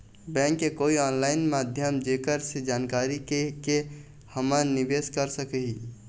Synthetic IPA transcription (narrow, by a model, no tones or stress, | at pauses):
bɛ̃ŋkːekoːiɔːnlaɪnmad̪ʱjəmd͡ʒekəɾsed͡ʒaːnkaːɾikeke | həməɾnibeskəɾsəkəɦi